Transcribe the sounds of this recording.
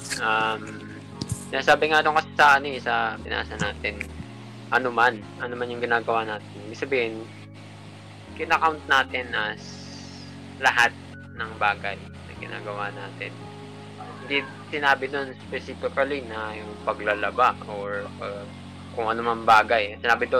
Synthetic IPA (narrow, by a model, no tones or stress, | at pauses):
ʔam | sɪnaːsaːbɪŋat̪oŋkɐsɪsɐʔɐnoɛsɐbɪna̰ːsɐnaːt̪ɪn | ʔɐnoman | ʔɐnomanjʊŋɡɪnaːɡɐwaːnaːt̪ɪnibɪɡsɐbiːhɪn | kɪnɐkawnt̪̚naːt̪ɪnʔɐs | lɐɦat̪̚ | nɐŋbaːɡɐj | nɐ̰ŋɡɪna̰ːɡɐwanaːt̪ɪn | hɪnd̪i | sɪnaːbɪd̪o̞nspɛsifɪkɐlinɐjʊŋpɐɡlalɐbaʔoɹɐ | kʊŋʔɐnomɐŋbaːɡɐjsɪnaːbɪd̪o